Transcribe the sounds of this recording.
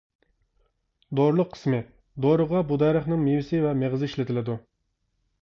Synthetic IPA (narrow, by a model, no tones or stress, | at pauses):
d̪oɾlˠʊqʰːə̥smɪ | d̪oɾəʁɑbud̪ɛɾəχnɨŋmewɪsɪvɛmeʁɨzɪiʃlɪt̪ʰɪlɪd̪u